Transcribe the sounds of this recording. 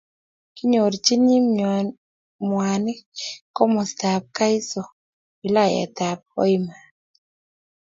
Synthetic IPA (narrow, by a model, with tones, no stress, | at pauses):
ki˦ɲo˨ɾt͡ʃi˦ɲi˦m | mwa˨nɪ˦kɔ˦mɔ˨sta˨p̚ka˦i˦sɔ˨ | i˨la˦˨jɛ̰˨t̪a˨p̚ɔ̰˦i˦ma˨